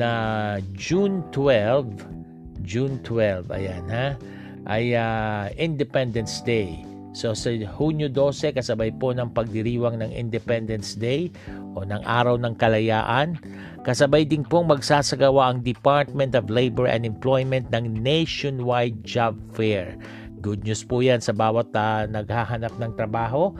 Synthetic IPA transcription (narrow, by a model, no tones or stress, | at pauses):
nɐd͡ʒunt̪wɛlv | d͡ʒunt̪wɛlvɐ̰janha | ʔajaɪnd̪ɛpɛnd̪ɛnsd̪ej | so̞sɐhunjʊd̪o̞ːsɛkɐsɐbajpo̞nɐŋpɐɡ̚d̪ɪɾiːwɐŋnɐŋɪ̰nd̪ɛpɛnd̪ɛnsd̪ej | ʔo̞nɐŋʔa̰ːɾɐwnɐŋkɐlɐja̰ːʔɐn | kɐsɐbajd̪ɪnpoŋmɐɡsaːsɐɡɐwaʔɐŋd̪ɪpaɹt̪̚mɛ̃nt̪ɔvlejbɛɹʔɛ̰̃nd̪ɛmplojmɛnt̪̚nɐŋnejʃonwajd̪̚d͡ʒab̚fɛɹ | ɡʊd̪̚ɲuspʊjansɐbaːwɐt̪anɐɡ̚haɦɐnap̚nɐŋt̪ɾɐbaːɦo̞